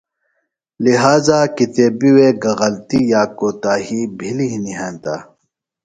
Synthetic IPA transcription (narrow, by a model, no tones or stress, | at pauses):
liɦaːzaːkit̪eːbiweɡɐɣɐlt̪ijaːkoːt̪aːhibʱiliɦniɦẽːnt̪aː